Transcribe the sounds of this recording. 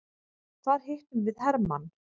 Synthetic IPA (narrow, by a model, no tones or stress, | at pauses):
θθaɾ̥hɪht̪ʏmvɪðhɛɾman